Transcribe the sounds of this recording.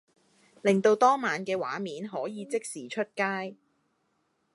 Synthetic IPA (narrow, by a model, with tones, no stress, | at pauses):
lɪ˨˩ŋt̪o˧wt̪ɔː˥maː˨˧nkɛː˧wa̰ː˨˥miː˨˥nɦɔː˨˥jiː˨˧t͡sɪ˥k̚siː˨t͡ʃʰɵ˥t̚kaː˥j